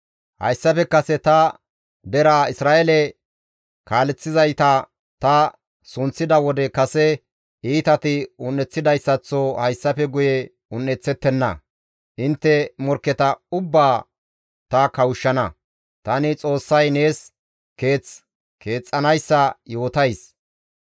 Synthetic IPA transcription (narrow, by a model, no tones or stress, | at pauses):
hɐ̰jsːɐpɛkɐsɛt̪ɐ | d̪ɛɾaɪsɾaːʔelɛ | kaːlɛt͡sːɪzɐjt̪ɐ | t̪ɐ | sʊnt͡sːɪd̪ɐwɔd̪ɛkɐsɛ | iːt̪ɐt̪ɪʊnːɛt͡sːɪd̪ɐjsːɐt͡sːoːhɐjsːɐpɛɡʊjɛ | ʊnːɛt͡sːɛt̪ːɛnːɐ̰ | ʔɪnt̪ːɛmɔɾkːɛt̪ɐʊbːaː | t̪ɐkɐwʊʃːɐnɐ | t̪ɐnɪt͡sʼo̞ːsːɐjne̞ːs | ke̞ːt͡s | ke̞ːt͡sʼːɐnɐjsːɐjo̞ːt̪ɐjs